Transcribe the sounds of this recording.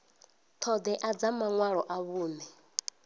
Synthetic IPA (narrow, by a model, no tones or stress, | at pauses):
t̪ʰɔd̪ɛʔad͡zamaŋwaɺɔʔaβuːnɛ